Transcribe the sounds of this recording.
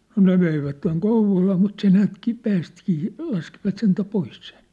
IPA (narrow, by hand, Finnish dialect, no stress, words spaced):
no ne ʋeiʋætːeŋ kouʋˑolɑː mut se næːtki pæːstĭkiː lɑskiʋɑt sentæ pois sen̞